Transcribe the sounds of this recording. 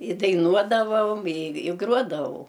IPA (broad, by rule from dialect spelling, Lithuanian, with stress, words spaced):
ɪ dɐɪˈnuɔdɐʋɐoːm ɪ ɪ ˈɡruɔdɐʋɐʊ